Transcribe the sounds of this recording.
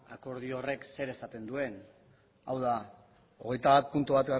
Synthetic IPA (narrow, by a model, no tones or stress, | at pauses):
a̰ko̞ɾð̞io̞re̞kse̞ɾe̞sat̪e̞nd̪ue̞n | awða | o̞ɣ̞e̞jt̪aβat̪̚punt̪uβat̪ɡa